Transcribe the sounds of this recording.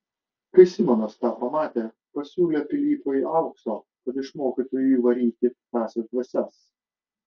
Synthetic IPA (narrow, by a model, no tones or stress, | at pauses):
kʲɪsʲɪmʲɛnost̪ɑːpɐmɑːt̪ʲeː | pɐsʲuːlʲepʲɪlʲiːp̪oːjiʔɐʊksoː | kɐt̪ɪʃmoːkʲit̪oːjuʋɐɾʲiːt̪ʲɪt̪ɑːsʲɛd̪ʲʋʲɐsʲɛs